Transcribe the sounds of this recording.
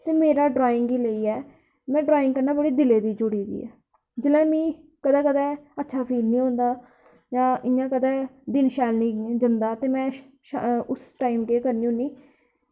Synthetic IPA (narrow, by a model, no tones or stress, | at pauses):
t̪eːmeːɾaːɖɾaːɪ̃ŋɡiːləiːɛː | mɛ̃ːɖɾaːɪ̃ŋɡkəɾnaːbəɽiːd̪ɪleːd̪iːd͡ʒʊɽiːd̪ḭːɛ̰ː | d͡ʒɪlɛ̃ːmĩː | kəd̪ɛːkəd̪ɛːətːʃʰaːpʰiːlnĩːɦõːnd̪aː | jãːɪjãːkəd̪ɛːd̪ɪnʃɛːlnĩːd͡ʒənd̪aːt̪eːmɛ̃ː | ʊsʈaːimkeːkəɾnĩːɦõːniː